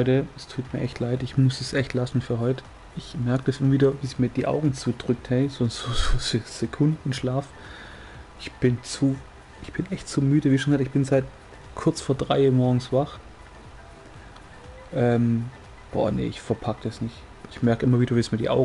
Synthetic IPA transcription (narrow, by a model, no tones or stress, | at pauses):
ʏtəɛstʰuːtmiːɐʔɛçtʰlaɪtɪçmʊsɛsʔɛçtlasn̩fyːɐɦɔʏt | ʔɪçmɛɐkəd̥asʔɪmɐviːdɐviːsmiːɐdiːʔa̰ʊɡŋ̩t͡suːd̥ʁʏk̚thɛɪz̥oːz̥oːzoːzez̥ekʰʊndn̩ʃlaːf | ʔɪçb̥ɪnt͡suː | ʔɪçb̥ɪnʔɛçtt͡suːmyːdəviːʃonaktɪçb̥ɪnzaɪt | kʰʊɐt͡sfoːɐdʁaɪiːɐmɔɐɡŋ̩sv̥aχ | ʔɛːm | b̥ɔ̰ːɐnḛʔɪçfɛɐpʰak̚tɛsnɪçt | ɪçmɛɐkʔɪmɐviːɾɐviːsmiːɐdiːʔa̰ʊɡ